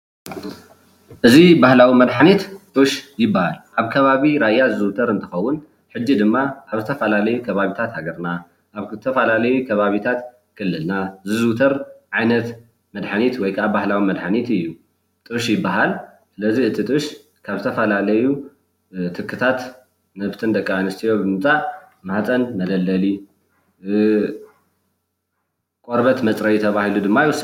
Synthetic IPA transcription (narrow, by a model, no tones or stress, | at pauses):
ʔɨzibahlawimɐd̪ħanit̪t̪ʼɨʃjɪbːahalʔaβkʰɐβaβiɾajːazɨzɨt̪ʰɐɾɨnt̪ʰɨxɐwːʊn | ħɨd͡ʒːid̪ɨmːaʔaβzɨt̪ʰɐfɐlalɐjukʰɐβaβit̪ʰat̪haɡɐɾna | ʔaβt̪ʰɐfɐlalɐjukʰɐβaβit̪ʰat̪ | kʰɨlːɨlnazɨzɨt̪ʰɐɾʕajnɐt̪ | mɐd̪ħanit̪wɔjkʰaβbahlawimɐd̪ħanit̪ɨjːu | t̪ʼɨʃjɪbːaɦal | sɨlɐziɨt̪ʰit̪ʼɨʃ | kʰaβzɨt̪ʰɐfɐlalɐju | t̪ʰɨkʰːɨt̪ʰat̪ | nɐβt̪ʰɨnd̪ɐkʼːaanɨst̪ʰijo̞bɨmɨt͡sʼaʔ | maħt͡sʼɐnmɐd̪ɐlːɐli | kʼoɾbɐt̪mɐt͡sʼɾɐjɛt̪ʰɐβahilud̪ɨmːajwɔs